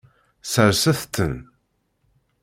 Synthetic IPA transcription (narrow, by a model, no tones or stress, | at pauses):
səɾsəθt̪ːən